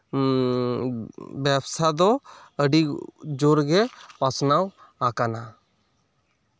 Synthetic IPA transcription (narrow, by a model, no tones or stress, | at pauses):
bjabsad̪ɔ | əɖid͡ʒoɾɡɛpasnaw | akana